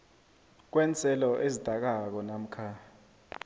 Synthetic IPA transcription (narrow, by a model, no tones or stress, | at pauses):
k̬wɛnt͡sʰʼɛlɔʔezid̥ʱak̬ak̬ɔnam̩kʰa